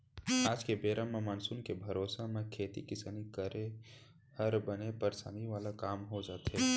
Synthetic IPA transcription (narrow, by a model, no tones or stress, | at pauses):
aːd͡ʒkebeːɾʔəmːə̃maːnsʊnkebʱɐɾoːsamẽkʰeːt̪ikɪsənikəɾe | hɐɾbɐnepɐɾsa̰ːniʋaːlakaːmɦod͡ʒaːt̪ɦeː